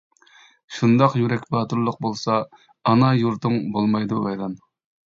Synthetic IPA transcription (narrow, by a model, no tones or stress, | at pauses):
ʃund̪ɑqjyɾɛkʲbɑːt̪uɾlˠəq̚bolˠsɑː | nɑjuɾt̪ɨŋbolˠmɑjd̪uɛjd̪ɑn